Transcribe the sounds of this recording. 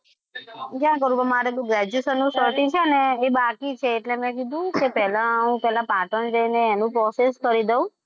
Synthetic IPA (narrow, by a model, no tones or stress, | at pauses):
d͡ʒjãk̬əɾũpəmaɾekũɡɾɛd͡ʒusənːũsəɾʈĩt͡ʃʰeəneːbakit͡ʃʰeːʈlemɛ̃k̬id̪ʱũkepɛɦlãəɦũpɛɦlãpaʈənd͡ʒəineːnũpɾɔseskəɾid̪eũ